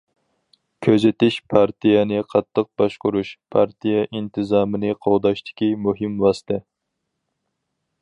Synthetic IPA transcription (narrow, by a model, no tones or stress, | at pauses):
kʲʰøzɪt̪ɪʃpʰɑɾt̪ʰijɛnɪqʰɑt̪ʰːəq̚b̥ɑʃqʊɾuʃpʰɑɾt̪ʰijɛʔint̪ʰɨzɑːmɨnɨqʰowd̪ɑʃt̪ʰɪ̥kʲimuɦɨmwɑst̪ʰɪ